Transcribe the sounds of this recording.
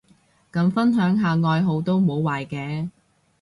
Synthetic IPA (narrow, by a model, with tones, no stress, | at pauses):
kɐ˨˧mfɐ˥nɦœː˨˥ŋɦaː˨ŋɔː˨˧jɦo˨˧wt̪o˥wmo˨˧wwaː˨jkɛː˨˧